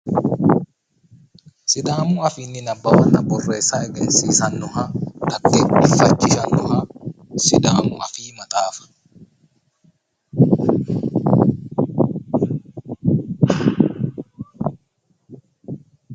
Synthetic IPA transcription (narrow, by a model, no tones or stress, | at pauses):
sɪd̪aːmuɐfinːɪnɐbːɐwɐnːɐbɔrːeːsaːɛɡɛnsiːsɐnːɔhad̪ɐkːeːɪfɐt͡ʃːɪʃɐnːɔhasɪd̪aːmʊ̰ɐfiːmɐt̪ʼaːfɐ̥